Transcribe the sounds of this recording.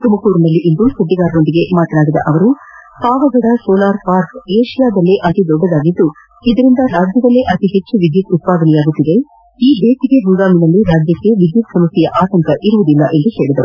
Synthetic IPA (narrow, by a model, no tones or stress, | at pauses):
t̪umɐkuːɾnɐlːiʔind̪usɐɖ̪ːiɡaːɾɐnod̪iɡe̞maːt̪ɐnaːɡid̪ːɐ̰ʔɐʋɐɾupaːʋɐɡɐɽɐsɔːlaːɾpaːɾkeːʃijaːd̪ɐlːeʔɐt̪id̪ɔbːɐd̪aːɡid̪ːu | id̪ɐɾind̪ɐɾaːd͡ʒjɐd̪ɐlːeʔɐt̪iɦet͡ʃːuʋid̪jit̪ut̪̚paːd̪ɐnɛjaːɡut̪ːid̪e̞ | iːd̪eːt̪iɡebuɡaːminɐlːiɾaːd͡ʒjɐkːe̞ʋid̪jut̪sɐmɐt̪ːijɐʔaːt̪ɐŋkɐʔiɾuʋud̪ilːɐʔe̞nd̪uhe̞ːɭid̪ɐɾu